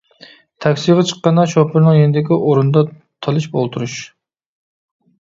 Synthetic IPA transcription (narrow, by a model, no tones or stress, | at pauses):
t̪ʰɑkʲsijʁɑt͡ʃʰə̥qːɑnɑʃopʰɪɾnɨŋjenɪd̪ɪkʲiʔoɾund̪ɑ | t̪ʰɑlˠɨʃbo̰lˠt̪ʰuɾuʃ